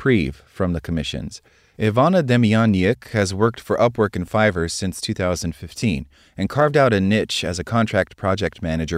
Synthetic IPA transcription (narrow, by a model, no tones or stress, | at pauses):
pʰɹ̥iv̥fɹʌ̃mðɨkʰəmɪʃɨ̰̃nz̥ | ɪvɑnɨdɛmiɑnɪkhɨzwɜ˞k̚tfə˞ʔʌpwɜ˞kɨ̃n̩faɪvə˞z̥sɪ̃nstʰʉθaʊzə̃ndfɪftʰĩn | ɨ̃nkʰɑɹvdaʊɾɨnɪt͡ʃɨ̰zɨkʰɑ̃ntʰɹ̥æk̚t̚pʰɹ̥ɑd͡ʒɛk̚t̚mænɨd͡ʒə˞